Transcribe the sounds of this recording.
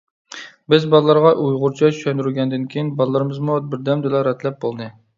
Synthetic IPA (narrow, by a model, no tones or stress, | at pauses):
bɪzbɑlˠlˠɑɾʁɑʔujʁʊɾt͡ʃʰɑt͡ʃʰy̥ʃɛnd̪yɾyɡʲɛnd̪ɪnkʲʰejinbɑlˠlˠɨɾɨmɨzmubɪɾd̪ɛmd̪ɨlɑɾɛt̪ʰlɛp̚bolˠd̪ɨ